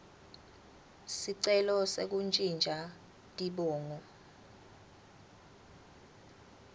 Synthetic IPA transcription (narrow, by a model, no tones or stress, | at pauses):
siǀɛlɔsek̬unt͡ʃʼind͡ʒʱa | tʼiɓɔːŋɔ